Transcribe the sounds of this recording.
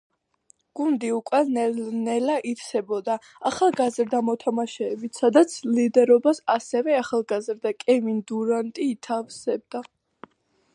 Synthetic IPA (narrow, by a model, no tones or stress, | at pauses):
ɡ̥und̪iukʼwɛnnɛlaʔit̪sʰɛbɔd̪aː | χalˠɡazɾd̪amɔt̪ʰamaʃɛːbit̪ʰsad̪at̪sʰlid̪ɛɾɔbasasɛvɛaχalˠɡazɾd̪akʼɛmind̪uɾant̪ʼiːt̪ʰafsɛb̚d̪a